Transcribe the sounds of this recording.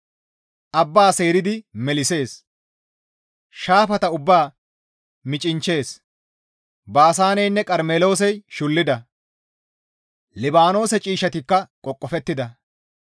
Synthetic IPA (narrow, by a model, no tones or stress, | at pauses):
ʔɐbːaːse̞ːɾɪd̪ɪmɛlɪse̞ːs | ʃaːfɐt̪ɐʊbːaː | mɪt͡ʃʼɪnt͡ʃːe̞ːs | baːs̬aːnɛjnːɛkʼɐɾmeːlo̞ːs̬ɛjʃʊlːɪd̪ɐ | lɪbaːno̞ːsɛt͡ʃʼiːʃɐt̪ɪkːɐkʼɔkʼːɔfɛt̪ːɪd̪ɐ